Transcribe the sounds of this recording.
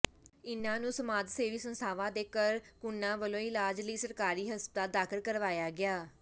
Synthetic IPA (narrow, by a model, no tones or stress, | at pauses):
ɪnãːnũːsəmaːd̪seːʋiːsənst̪ʰaːʋãːd̪eːkəɾkʊnːãːʋəlõːɪlaːd͡ʒliːsəɾkaːɾiːɦəspt̪aːd̪aːkʰɪlkəɾʋaːjaːɡɪaː